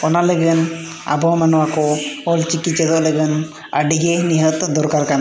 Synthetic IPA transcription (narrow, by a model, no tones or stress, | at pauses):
ɔnaləɡən | a̰bʱɔwmanɔwakɔɔlt͡ʃikiɛd̪ɔʔləɡən | əɖiɡɛniɦət̪d̪ɔɾkaɾkana